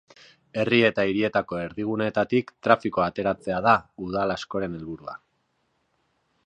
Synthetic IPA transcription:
e̞rie̞t̪aiɾie̞t̪ako̞e̞ɾðiɣ̞unet̪at̪ikt̪ɾafikoat̪e̞ɾat͡se̞aðauð̞alasko̞ɾe̞ne̞lβuɾua̰

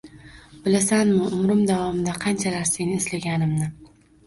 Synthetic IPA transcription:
b̥ɪlasanmɪʊmɾɪmd̪avɒmɪd̪aqʰɑnt͡ʃʰalaɾsenɪeslaɡʲanɪmnɪ

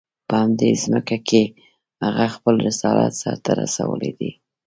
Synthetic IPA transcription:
pəhamd̪ezməkakʰe | haɣaxpəlɾɪsɑlat̪sɑɾt̪aɾasawəled̪i

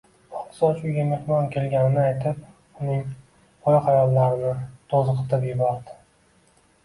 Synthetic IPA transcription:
ɒt̪sɒt͡ʃʊɡʲame̞hmɒnkʲʰe̞lɡʲanɪnɪajt̪ʰɪp̚ | ʊnɪŋʰ | ɒjqajɒlːaɾɪnɪt̪ʰɒzɨqʰɨt̪ʰapjɪbɒɾd̪ɪ̥

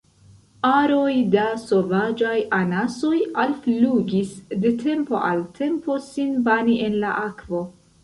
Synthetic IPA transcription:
aɾo̞jdaso̞vad͡ʒajʔanaso̞jalfluɡisde̞tʰe̞mpo̞̰ʔa̰ltʰe̞mpo̞sinbaniʔe̞nlaʔakvo̞

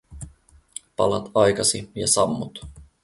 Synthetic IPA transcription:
pɑ̰lɑt̪ɑjkɑsijɑsɑmːut̪

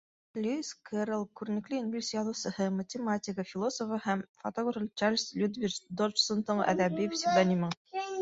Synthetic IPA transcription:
lʲuskʰəɾlˠkʉɾɘ̆nɘ̆klɘinbʲilʲsjɑlˠɤwsɤ̆hɤmɐtʲɪmatʲɪkəfʲilˠosofəhæmfot̪oɡrfəlʲt͡ʃalʲslʲud̪vʲid̪ort͡ʃsont̪ɤɴæ̰ðæbipsʲid̪ɑnʲimɤɴ

